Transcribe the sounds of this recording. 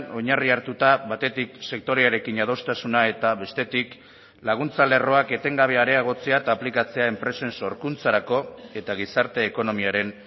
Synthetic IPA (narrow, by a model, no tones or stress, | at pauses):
o̞ɲariaɾt̪ut̪aβat̪e̞t̪ikse̞k̚t̪o̞ɾeaɾe̞kinað̞o̞st̪asunae̞t̪aβe̞st̪e̞t̪ik | laɣ̞unt͡sale̞ro̞ake̞t̪e̞ŋɡaβ̞e̞aɾe̞aɣ̞o̞t͡seat̪aplikat͡se̞ae̞mpɾe̞se̞nso̞ɾkunt͡saɾako̞e̞t̪aɣ̞isaɾt̪e̞ːko̞no̞miaɾe̞n